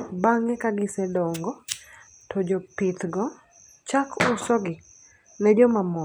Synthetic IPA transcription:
baŋɛkaɡɪsɛdɔŋɡɔ | tʰɔd͡ʒɔpɪt̪ɡɔ | t͡ʃakʰʊsɔɡɪ | nɛd͡ʒɔmamɔ

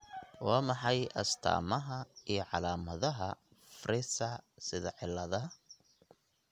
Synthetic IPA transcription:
wɑːmɑħɑjʔɐst̪ʰa̰ːmɐɦɐijɞʕɑlaːmɐðɐɦɐ | frɪsɐsɪðɐʕɪlːɐðɐ

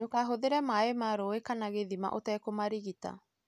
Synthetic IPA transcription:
okaɦoðeɾɛmaemaɾoekanaɣeðima̰ʔotɛkomaɾiɣita̰

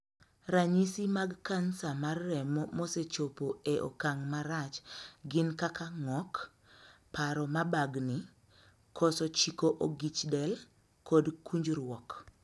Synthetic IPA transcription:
ɾaɲisimaɡkansamarːɛmɔmɔset͡ʃopoeʔo̰kaŋmaɾat͡ʃɡɪnkakaŋɔk | paɾɔmabaɡni | kʰɔsɔt͡ʃikoʔoɡit͡ʃdɛl | kɔdkuɲd͡ʒɾwɔk

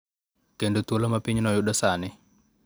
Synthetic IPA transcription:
kendot̪wolɔmapiɲnɔjʊɗɔsanɪ

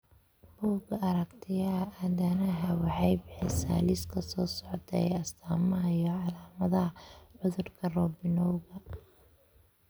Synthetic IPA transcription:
b̥uːɡɐɐɾɐkt̪ʰɪjɐʔɐðɐnɐɦɐwɑħɑjbɪħɛsa̰ːlɪskʰɐsɔːsɔʕt̪ʰɐ̰ɐst̪ʰaːmɐɦɐijɔʕɑlaːmɐðɐɦɐʕʊðʊrkʰɐrɔːbɪnɔwɣɐ

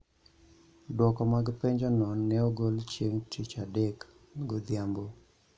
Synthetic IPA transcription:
dwɔkɔmaɡpɛɲd͡ʒɔnɔnːɛɔɡɔlt͡ʃjeŋtit͡ʃadɛk | ɡod̪jambo

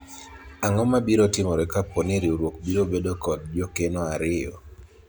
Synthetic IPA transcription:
aŋɔmabiɾotɪmɔɾɛkaponeɾioɾwok̚biɾobedokɔd̚d͡ʒɔkenɔaɾɪjɔ̰

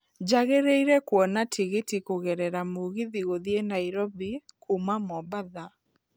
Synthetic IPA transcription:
d͡ʒaɣeɾeiɾɛkwɔnatʰiɣitikoɣɛɾɛɾamoɣiðiɣoðienaiɾobikʰumamɔbaða

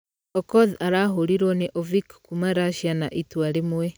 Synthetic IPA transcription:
ɔkɔðaɾaɦoɾiɾɔneʔovikkumaɾaʃjanaʔitwaɾemwwe

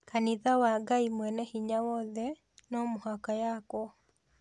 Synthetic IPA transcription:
kaniðawaɡaimwɛnɛhiɲawɔðɛ | nɔmohakajakɔ

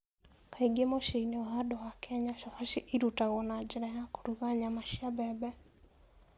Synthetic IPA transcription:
kaiɡɛmɔʃɛinɛɔhaɗɔwakʰɛɲaʃafaʃiʔiɾutaɣɔnad͡ʒɛɾɛjakuɾuɣaɲamaʃiabɛɓɛ

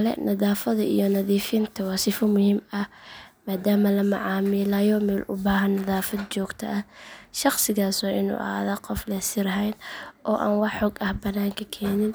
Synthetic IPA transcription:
lɛ̰nɐðaːfɐðɐʔḭjɔnɐðiːfɪnt̪ʰɐwɑːsɪfɔmʊhimɐhmaːd̪aːmɐlɐmɐ̰ʕɑːmɪlɐjɔmɛlʔʊ̰baːɦɐnːɐðaːfɐd̪̚t͡ʃɔːɡt̪ʰɐ̰ʔɐʃɑχsɪɣaːswɑːʔɪ̰nṵːʔɐ̰a̰ːðaqɔflɛsɪɾɐɦɛjnʔɔːʔa̰ːnwɑħɔːɡɐhbɐnːaːŋkʰɐkʰɛːnɪn

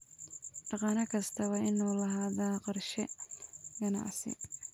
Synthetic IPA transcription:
ɖɑqɑːnɐkʰɐst̪ʰɐwɑːɪnuːlɐɦaːðaːqɑrʃɛ | ɡɐna̰ʕsɪ̰

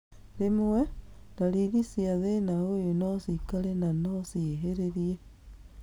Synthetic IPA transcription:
ɾemowɛdaɾiɣisiaðenaojonɔsikaɾenanɔsieɦeɾeɾie

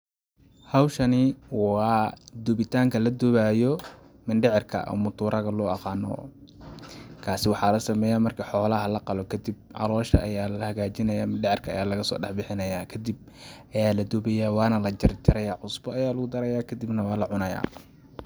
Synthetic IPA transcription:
hɑwʃɐniwɑːd̪ʊβɪt̪ʰaːŋkʰɐlɐd̪ɔβajɔ | mɪnɖɛʕɪrkʰɐ̰ʔɔ̰mʊt̪ʰuːɾʔɐɣɐlɔːɑqɑːnɔ̰ː | kʰaːsɪwɑħɑːlɐsɐmɛːjaːmɐrkʰɐħɔːlɐɦɐlɐqɑlɔkʰɐd̪ib̚ʔɑ̰lɔːʃɐ̰ʔːjaːlɐhɐɣaːt͡ʃɪnɐjaːmɪnɖɪʕɪrkʰɐɐ̰jaːlɐɣɐsɔ̰ːɖɑħbɪħɪnɐjaːkʰɐd̪ib̚ | ʔɐjaːlɐd̪ʊbɛjaːwɑːnɐlɐt͡ʃɐrt͡ʃɪɾɐjaːʕʊsbɔːjaːlɐɣʊd̪ɐɾɐjaːkʰɐd̪ɪbnɐwɑːlɐʕʊnɐja̰ː

